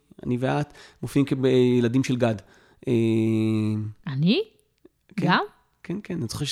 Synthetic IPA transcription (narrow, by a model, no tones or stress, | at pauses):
a̰niveat̪mofimkebejeladimʃelɡad | ʔe | ani | kɡeam | kenkʰenanit͡so̥χeʃ